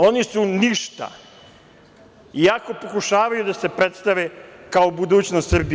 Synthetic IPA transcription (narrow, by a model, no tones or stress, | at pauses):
o̞nisuniʃt̪a̰ | iako̞po̞kuʃaːʋajud̪ase̞pɾe̞t̪st̪aʋekaobud̪uːt͡ɕnost̪srbi